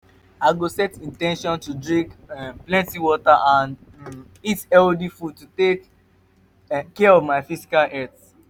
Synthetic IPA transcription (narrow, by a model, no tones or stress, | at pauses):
aɪɡosɛtĩntɛ̃nʃɔ̃ntudɹĩŋkɛplɛ̃ntiwɔtaʔãn | itɛldifud̚tutek | kɛɔvmaɪfisi̥kalɛθ